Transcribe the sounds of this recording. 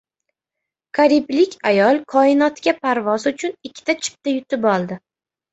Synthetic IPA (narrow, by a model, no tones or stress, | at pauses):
kʰaɾiblɪkʲajɒlˠkʰɒɪnɒt̪kʲapʰaɾvɒzʊt͡ʃʰʊnɪkʲʰːɪ̥t̪at͡ʃʰɪ̥p̚t̪ajʊt̪ʰɪbɒlˠd̪ɪ